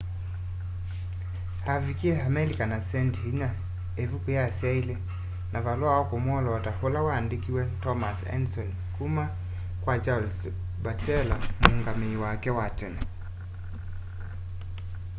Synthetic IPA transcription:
avikiɛamɛlikanasɛnthiɲa | evukujasjaile | nʔavalwawɔkomwɔlɔtaholawaːndikiwɛtɔmasɛ̰nsɔn | kuma | kwad͡ʒals | bat͡ʃɛlam̩uŋɡameiwakɛwatɛna

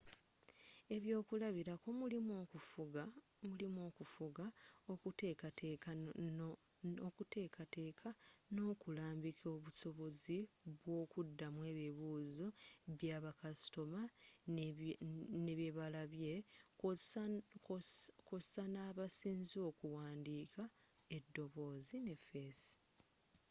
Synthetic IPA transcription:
e̞βjo̞ːkulaβiɾakomulimokufuɡa | mulimo̞ːkufuɡaokutekateka | okute̞ːkʰate̞ːkʰano̞ːkulaːmbikʰo̞ːβuso̞βo̞ziβwo̞ːkudːamwe̞ːβiβuːzo̞βjaːβakasi̥to̞ma | neβjeβalaβje̞ | kosanaːβasiːnzo̞ːkuwaːndiːka | e̞dːo̞βo̞ːzine̞fesi̥

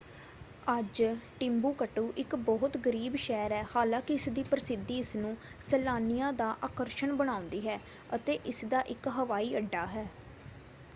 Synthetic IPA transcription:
əd͡ʒʈɪmbuːkəʈuːʔɪkbɔːɦʊt̪ɡəɾiːbʃɛːɾɦɛːhaːlãːkɪɪsd̪iːpəɾɪsɪd̪ːiːɪsnũː | səlaːnijãːd̪aːʔaːkəɾʃəɳbəɽ̃ãːʊ̃nd̪iːɦɛː | ət̪eːʔɪsd̪aːʔɪkɦəʋaːiːəɖːaːɦɛː

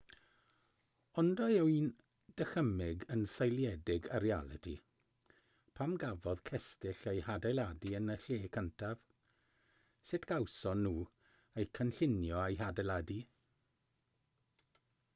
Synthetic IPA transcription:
ɔndɔɛwin | d̥əxəmɪɡənsajlˠjɛdɪɡaɾia̰lˠɪ̰tʰḭ | pʰamɡavɔð̥kʰɛstɪɬejhadajlˠadiənəɬeːkʰəntʰav̥ | sɪtʰɡ̥awsɔnuː | ejkʰənɬɪnjɔajɦadalˠadi

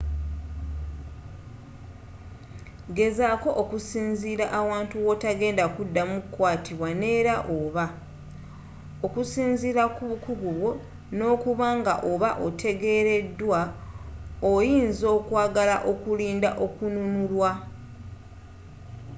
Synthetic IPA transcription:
ɡe̞zaːko̞ʔokusiːnziːɾaʔːwaːntuwo̞taɡe̞ːndakudːamukːwaːtiβwane̞ːɾaʔoβa | okusiːnziɾakuβukuɡuβwo̞ | no̞ːkuβaŋɡa̰ʔo̞βaʔotʰe̞ɡe̞ɾe̞dːwa | ojiːnzo̞ːkwaːɡala̰ʔo̞kuliːndaʔo̞kununulwa

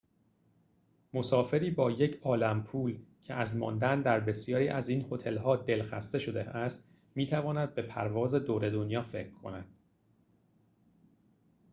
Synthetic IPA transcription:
mo̞sɒːfe̞ɾiːbɒːje̞cʰɒːlæmpʰuːlcʰeæzmɒ̰ːnd̪ænd̪æɾbe̞sjɒːɾiːʔæziːnho̞t̪ʰe̞lɦɒːd̪e̞lxæ̰st̪e̞ʃo̞d̪eæst̪ | miːt̪ʰævɒːnæd̪̚be̞pʰæ̰ɾvɒːze̞d̪oːɾe̞d̪onjɒːfe̞̰cʰɾkʰo̞̰næd̪̥

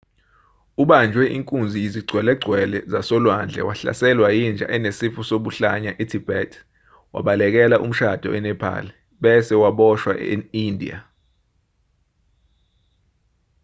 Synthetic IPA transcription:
uɓand͡ʒʱwɛʔiŋkʼund͡zʱijiziɡ͡ǀʱwɛlɛɡ͡ǀʱwɛlɛzasɔlwand͡ɮʱɛ̰waɬa̰sɛlwajind͡ʒʱa̰ʔɛnesifusoɓuɬaɲaʔetʰib̥ʱɛtʰ | wa̰ɓalɛk̬ɛlaʔṵm̩ʃad̥ʱɔ̰ʔɛnɛpʰa̰ːlɛ | ɓɛsɛwaɓɔʃwa̰eindʱḭa̰

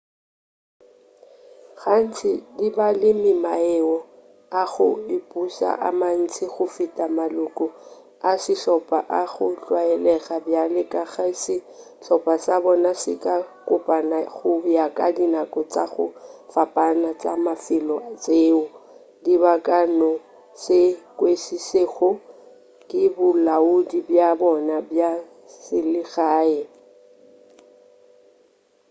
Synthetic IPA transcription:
ɣan̩t͡sʰɪdibalɪmɪmaɪɔ | aɣʊɪpʼuʃa̰ʔa̰man̩t͡sʰɪɣʊfitʼamalʊkʼɔ | asɪɬɔpʼa̰ʔaɣʊt͡ɬwaɛlɛɣabjalɪkʼaɣasɪ | ɬɔpʼasabɔnasɪkʼakʼʊpʼanaɣʊjakʼadinakʼɔt͡sʼa̰ɣʊ̰fapʼanat͡sʼa̰mafɪlɔat͡sʼeːʊ | dibakʼanɔ | sɪkʼwesiseɣʊ | kʼɪbʊlaudibjabɔnabja | sɪlɪɣaːɛ

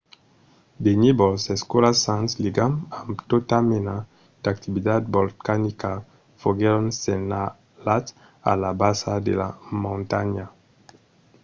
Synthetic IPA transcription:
d̪enibɔlseskolasãnsliɡamamt̪ot̪amena | d̪̥ak̚t̪ibid̪ad̪̚bolkanika | foɡeɾonsena | lat | a̰labasad̪ela̰mõnt̪aɲa

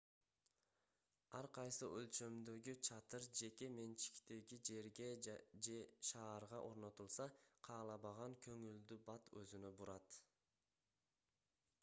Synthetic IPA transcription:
ɑɾqʰɑjsɯʔølt͡ʃø̞md̪ø̞ɡyt͡ʃʰɑt̪ɯɾd͡ʒe̞ke̞me̞nt͡ʃi̥kt̪e̞ɡid͡ʒe̞ɾɡe̞d͡ʒeʃɑːɾʁɑʔo̞ɾno̞t̪ulˠsɑqʰɑːlˠɑβɑʁɑŋkʰø̞ŋyld̪ybɑt̪ø̰zynø̞buɾɑt̪

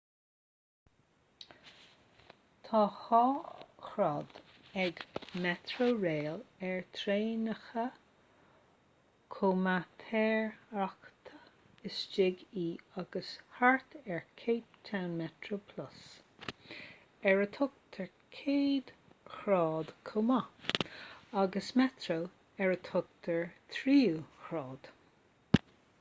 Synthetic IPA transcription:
t̪ʰɑːxɑxɾɔd̪̥ɛɡmɛt̪ʰɹoɹeːlɛɹt̪ʰɾeːnəxə | kʰoːmat̪ʰɛːɹakt̪ʰə | ɪsd͡ʒɪɡiːaɡəshaɹt̪ʰɛɹkʰeːp̚t̪ʰawnmɛt̪ʰɾopʰlʊs | ɛɹət̪ʰʊk̚t̪ʰəɹ | kʰeːd̪̥xɾɑːd̪̥kʰʊma | aɡəsmɛt̪ɾo | ɛɹət̪ʰʊk̚t̪ʰəɹt̪ʰɾiːuxɹɑːd̪̥

